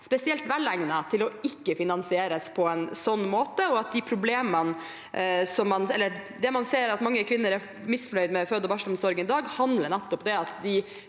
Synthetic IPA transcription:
spɛsɪɛlt̪ʋælæŋnət̪ʰɪlɔɪkːəfɪnɑnsɪeːɾəspʰɔɛnsɔnːmoːt̪əɔɑt̪̚d̪ɪpʰɾʊbleːmən | sɔmːɑnɛlːə | d̪ɛmɑnseːɾɑt̪mɑŋːəkʰʋɪnːəɾæ | mɪsflœʏd̪mɛføːd̪ɔʋɑʂəlʊmsɔɾɡənɪd̪ɑːɡhɑnd̪ləɳɛt̪ːɔpd̪ɛɑt̪d̪ɪ

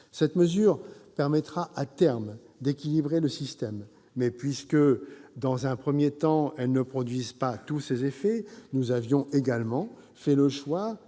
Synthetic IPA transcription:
sɛt̪məzyːʁpɛʁmɛt̪χaʔat̪ɛʁm | d̪ekʲilibʁeləsist̪ɛmː | ɛpɥiskəd̪ɑ̃zɛ̃pχəmjet̪ɑ̃ɛlnəpχɔd̪ɥizpat̪usezefɛnuzavjɔ̃ʔeɡalmɑ̃ | fɛləʃwa

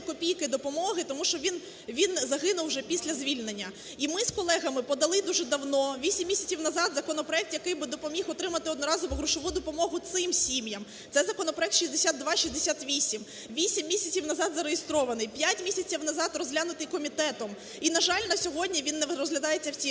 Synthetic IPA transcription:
kɔpʲijkɪd̪ɔpɔmɔɦɪt̪ɔmuʃt͡ʃɔʋʲin | ʋʲinzɐɦɪnʊwʒɛpʲisʲlʲɐzʲʋʲilʲnenʲːɐ | imɪskɔlˠɛɣɐmɪpɔd̪ɐlˠɪd̪uʒɛd̪ɐwnɔʋʲisʲimʲːisʲɐt͡sʲiwnɐzɑd̪zɐkɔnɔpɾɔɛk̚t̪jɐkɪjbɪd̪ɔpɔmʲixɔt̪ɾɪmɐt̪ɪɔd̪nɔɾɑzʊʋɪɦɾʊʃɔʋud̪ɔpɔmɔɦʊt̪sɪmsʲimjɐm | t̪sɛzɐkɔnɔpɾɔɛkt̪ʃʲizʲd̪esʲad̪̚d̪ʋɑʃizd̪esʲat̪ʋʲisʲim | ʋʲisʲimːʲisʲɐt͡sʲiwnɐzɑd̪zɐɾejest̪ɾɔʋɐnɪjpʲjatʲmʲisʲɐt͡sʲiwnɐzɑt̪rɔzʲɦlʲanʊt̪ɪjkɔmʲit̪ɛt̪ɔm | inɐʒɑlʲnɐsʲɔɦɔdʲnʲiʋʲinːɛɾɔzɦlʲɐd̪ɑjet͡sʲːɐwt͡sʲi

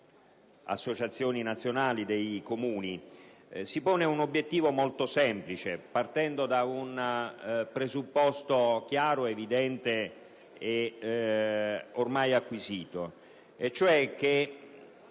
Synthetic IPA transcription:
a̰sːot͡ʃat̪sːjoːninat̪sːjonaːlid̪ejkomuːni | sipoːneunobːjet̪ːiːvomolt̪osɛmplit͡ʃepart̪ɛnd̪od̪aun | pɾezupːɔst̪ok̟jaːɾoevid̪ɛnt̪e | e | ormajakːwiziːt̪o | et͡ʃːoɛk̟ːe

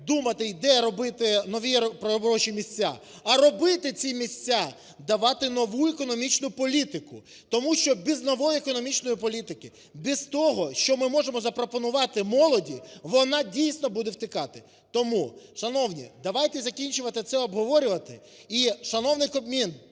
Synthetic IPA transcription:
d̪umɐt̪ɪd̪ɛjɐɾɔbɪt̪ɪnɔʋʲipɾɔbɾɔʃimʲisʲt͡sʲːa̰ | ɐɾɔbɪt̪ɪt͡sʲimʲisʲt͡sʲa | d̪ɐʋɑt̪ɪnɔʋuɛkɔnɔmʲit͡ʃnʊpɔlʲit̪ɪkʊ | t̪ɔmuʃt͡ʃɔbbʲiznɔʋɔjiekɔnɔmʲit͡ʃnɔjipɔlʲit̪ɪkɪ | bʲizt̪ɔɦɔʃt͡ʃɔmɪmɔʒemɔzɐpɾɔpɔnʊʋɑt̪ɪmɔlˠɔdʲiʋɔnɑdʲijsʲnɔbud̪ewt̪ɪkɑt̪ɪ | t̪ɔmuʃɐnɔwnʲḭd̪ɐʋɑjt̪ɛzɐkʲinʲt͡ʃʊʋɐt̪ɪt̪sɛɔbɦɔʋɔɾʲʊʋɐt̪ɪ | iʃɐnɔwnɪjkɔbmʲin

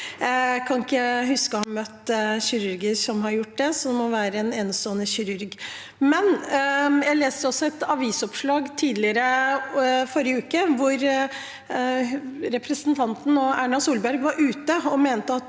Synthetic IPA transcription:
kʰɑnɪkːəhʉskəhɑnmœt̪ːɕɪɾʉɾɡəʂɔmɦɑɾjʊʈ̚ːd̪ɛsɔd̪ɛmɔʋæːɾəɛnɛnsɔːnəçɪɾʉɾɡ | mɛn | jæleːsəɔsːɔɛt̪ɑʋiːsɔpʂɭɑːɡt̪ʰiːd̪lɪəɾə | fɔɾjəʉːkəʋʊɾ | ɾɛpʰɾəsənt̪ʰɑnt̪n̩ɔæːɳɑsuːlbæɾɡʋɑɾʔʉːt̪əɔmeːnət̪əɑt̪

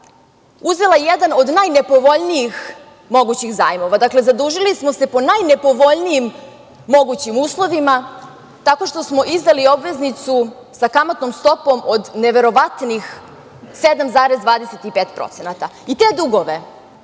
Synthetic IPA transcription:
uzelˠajjed̪ano̞d̪najne̞po̞ʋo̞ʎnijix | mo̞ɡut͡ɕixza̰ːjmo̞ʋad̪akle̞zad̪uːʒilismose̞po̞najne̞po̞ʋo̞ʎnijimː | o̞ɡut͡ɕimuːslˠo̞ʋima | t̪ako̞ʃt̪o̞smo̞ʔizd̪alio̞bʋe̞znit̪su | sakamot̪nomst̪o̞po̞mod̪neʋe̞ɾo̞ʋat̪nix | se̞d̪amzaːɾezd̪vʋaːd̪eset̪ipeːt̪pɾo̰t̪se̞nat̪ait̪e̞ːd̪uɡo̞ʋe

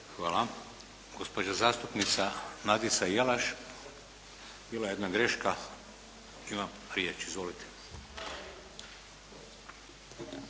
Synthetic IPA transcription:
xʋaːla | ɡ̥ospod͡ʒazaːst̪upnit̪sanad̪isajalaʃ | biːlajeed̪naɡɾeʃka | imam | ɾjeːt͡ʃizʋolit̪ʰe̥

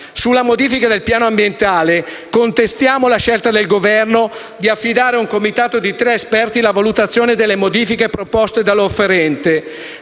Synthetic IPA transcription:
sulːamod̪iːfikad̪elpjaːnoambjent̪aːle | kont̪est̪jaːmolaʃelt̪ad̪elɡovɛrno | d̪iafːid̪aːɾeuŋkomit̪aːt̪od̪it̪ɾeespɛrt̪ilavalut̪at̪sːjoːned̪elːemod̪iːfikepɾopɔst̪ed̪aloːfːeɾɛnt̪e

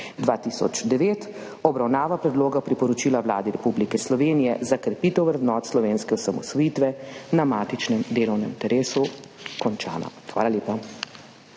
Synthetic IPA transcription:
d̪ʋaːt̪isɔ̰t͡ʃd̪ɛʋeːt̪ | ɔbɾawnaːʋapɾɛd̪loːɡapɾipɔɾɔt͡ʃiːlaʋla̰ːd̪iɾɛpublikɛslɔʋeːnijɛzakɾɛpiːt̪ɛwʋɾɛd̪nɔːt̪slɔʋeːnskɛɔsamɔsʋɔjit̪ʋɛnamaːt̪it͡ʃnɛmd̪eːlɔwnɛ̰mit̪ɛɾeːsukɔnt͡ʃa̰ːnɔ̰xʋaːlaleːpa

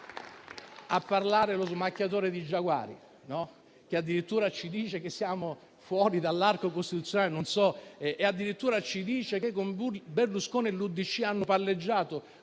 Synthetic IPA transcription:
apːarlaːɾelozmakːjat̪oːɾed̪id͡ʒːaɡwa̰ːɾḭ | nɔ | k̟ead̪ːiɾit̪ːuːɾat͡ʃid̪iːt͡ʃekesːjaːmo | fwɔːɾid̪alːarkokost̪it̪ut̪sjonaːlenonsɔʔead̪ːiɾit̪ːuːɾat͡ʃid̪iːt͡ʃekekːombuberluskoːnelːud̪ːit͡ʃːianːʊpalːed͡ʒːaːt̪o

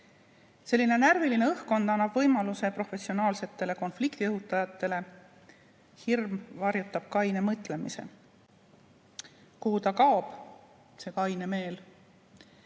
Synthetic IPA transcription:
se̞lːine̞nærviline̞ɤhko̞nd̪ɑnːɑb̥vɤjmɑluse̞pro̞fe̞sio̞nɑːlse̞t̪ːe̞le̞ko̞nflikt̪iɤɦut̪ːˑɑjɑt̪ˑːe̞le̞ | hirmvɑrjut̪ːˑɑb̥̚kɑjnemɤt̪ːˑle̞mise̞̰ | kuhut̪ɑkɑob̥ | se̞kɑjne̞me̞ːl

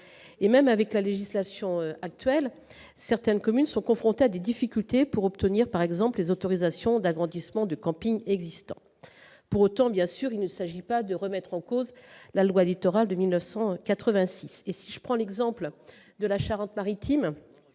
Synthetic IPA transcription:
emɛmavɛklaleʒislasjɔ̃øak̚t̪ɥɛl | sɛʁt̪ɛnkɔmynsɔ̃kɔ̃fχɔ̃t̪ead̪ed̪ifikʲylt̪epuʁɔp̚t̪əniʁpaʁɛɡzɑ̃pllezot̪ɔʁizasjɔ̃d̪aɡʁɑ̃d̪ismɑ̃d̪əkɑ̃piɲɛɡzist̪ɑ̰̃ | puʁot̪ɑ̃bjɛ̃syʁilnəsaʒipad̪əʁəmɛt̪χɑ̃kozlalwaelit̪ɔʁald̪əmilnœfsɑ̃kat̪χəvɛ̃sisesiʒəpχɑ̃lɛɡzɑ̃pl | d̪əlaʃaʁɑ̃t̪maʁit̪im

